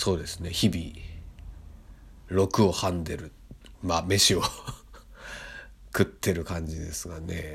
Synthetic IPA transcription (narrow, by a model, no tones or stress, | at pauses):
so̞ːd̪e̞sɨne̞çibʲi | ɾo̞kɯ̟o̞hãnd̪e̞ɾɯ̟ | mame̞ɕio | kɯ̟t̪ʰːe̞ɾɯ̟kãɲ̟d͡ʑid̪e̞sɨɡane̞